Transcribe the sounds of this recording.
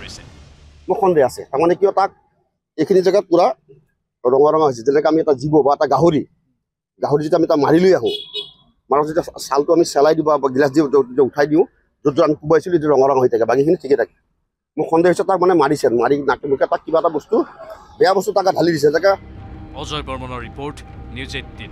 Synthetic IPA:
mʊkʰɔndɛasɛ̰tamanɛkijɔtak̚ | ejkʰinizaɡat̚kuɹa | ɹɔŋaɹɔŋaɦojsɛzɛnɛkaamiɛtazibɔbaɛtaɡaɦoɹi | ɡaɦoɹizitamitamaɹilojaɦʊ̃ | maɹɔzetasaltʊamisɛlajdĩbabɡilas̬diautʰajdiʊ̃ | zɔdzɔamikubaasilet̬iaɹɔŋɔɹɔŋaɦojtʰakɛbaɡikʰinitʰikɛtʰakɛ̥ | mʊkʰɔndɛɦɔjsɛtak̚manɛmaɹisɛnmaɹinakɛmukɛtakːibaɛtabɔstu | bɛjabɔsutakadʱalidis̬ɛzɛkaɔzɔjbɔɹmɔnɔɹipoɹʈnjuzetːin

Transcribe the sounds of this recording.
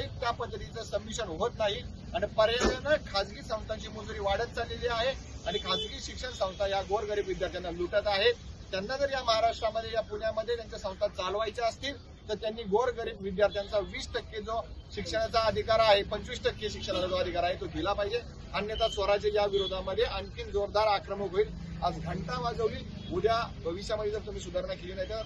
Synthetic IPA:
it̪japəd̪ʱːət̪it͡səsəmːiɕənɦot̪naɦi | aɽ̃ipəɾjət̪nəkʰad͡zɡiːsə̃w̃st̪aɲt͡ɕiːmund̪ɾiːʋaɽət̪̚t͡saleliːaɦe | aɽ̃ikʰad͡zɡiːɕikʂəɳsə̃w̃st̪ajaɡoɾɡəɾiːbʋid̪jaɾt̪ʰjanːaluʈət̪aɦet̪janːad͡zəɾjaməɦaɾaʂʈɾaməd̪ʱːjejapuɳjaməd̪ʱːjet̪jaɲt͡ɕjasə̃w̃st̪at̪̚t͡salʋajt͡ɕaəst̪iːl | t̪əɾt̪janːiːɡoɾɡəɾiːbʋid̪jaɾt̪ʰjant͡saʋiːsʈəkːed͡zoɕikʂəɽ̃at͡saəd̪ʱikaɾaɦepənt͡sʋiːsʈəkːeɕikʂəɽ̃at͡sad͡zoəd̪ʱikaɾaɦet̪oɡelapaɦid͡ʑe | ənjət̪asʋəɾat͡ɕejaʋiɾod̪ʱaməd̪ʱːjeʔənkiːnd͡zoɾd̪aɾakɾəməkɦoiːl | ad͡zɡʱəɳʈaʋad͡zəʋʋiː | uɽjabʱəʋiɕjaməd̪ʱːjed͡zəɾt̪um̤iːsud̪ʱəɾɳakeliːnajit̪ja

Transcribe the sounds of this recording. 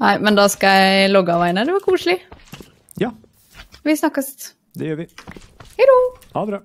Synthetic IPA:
næɪmɛnd̪ɑːskɑjæɪlɔɡɑʋæɪnəd̪ɛʋɑɾkʰuːʂɭɪ | jɑ | ʋɪsnɑkːəst̪ | d̪ɛjøːʋɪhɛɪd̪u

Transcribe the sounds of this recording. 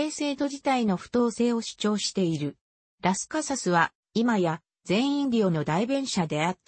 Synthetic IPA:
e̞ːse̞ːt̪o̞d͡ʑit̪aino̞ɸɯ̟̥t̪o̞ːse̞ːo̞ɕi̥t͡ɕo̞ːɕi̥t̪e̞iɾɯ̟ | ɾasɨ̥kasasɨβa | imaja | zẽ̞ɰ̃ĩnʲo̞ːno̞d̪aibẽɰ̃ɕad̪e̞at̪ː

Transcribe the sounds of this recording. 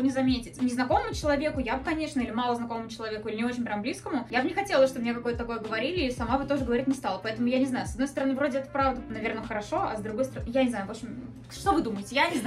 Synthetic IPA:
nʲɪzɐmʲetʲɪtʲnʲɪznɐko̞məmʊt͡ɕɪlˠɐvʲe̞kʊjabɨkɐnʲe̞ʂnəilʲɪmalˠəznɐkoməmʊt͡ɕɪlˠɐvʲe̞kʊilʲɪnʲɪo̞t͡ɕɪnʲpɾʲamblʲiskəmʊjabnʲɪxɐtʲelˠəsʲʂt̪obmnʲekɐko̞jət̪ət̪ɐko̞jəɡəvɐɾʲilʲɪːsɐmabɨt̪o̞ʐɨɡəvɐɾʲitʲnʲɪst̪alˠəpɐɛt̪əmʊjanʲɪznajʊsɐd̪no̞jst̪əɾɐnɨvɾo̞dʲɪɛt̪ə̥pɾavd̪ənɐvʲe̞rnəxəɾɐʂo̞ɐzd̪ɾʊɡo̞jst̪əɾɐjanʲɪznajʊvo̞pɕʲɪm | ʂt̪ovɨd̪uməɪtʲɪjanʲɪzn

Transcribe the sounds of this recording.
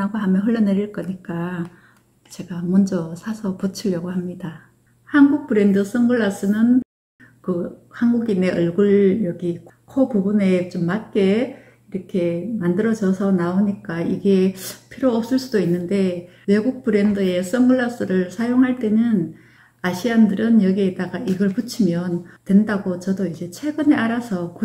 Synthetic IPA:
aɡoɦamjʌnɦɯɭːʌneɾiɭk͈ʌɲik͈a | t͡ɕe̞ɡamʌnd͡ʑʌsʰasʰʌput͡ɕʰiʎjʌɡohamɲida | hanɡuk̚p͈ɯɾe̞ndɯs͈ʌŋɡɯɭːas͈ɯnɯn | kɯhanɡuɡine̞ʔɯɭɡɯɭjʌɡikkʰopubune̞t͡ɕomːat̚k͈e̞ | iɾʌkʰe̞mandɯɾʌd͡ʑʌsʰʌnaoɲik͈aiɡe̞pʰiɾjoʌp̚s͈ɯɭs͈udoinːɯnde̞ | we̞ɡuk̚p͈ɯɾe̞ndɯe̞s͈ʌŋɡɯɭːas͈ɯɾɯɭsʰajoŋɦaɭt͈e̞nɯn | aɕʰiandɯɾɯnjʌɡietaɡaʔiɡʌɭput͡ɕʰimjʌntwe̞ndaɡot͡ɕʌdoid͡ʑe̞t͡ɕʰe̞ɡɯne̞aɾasʰʌku

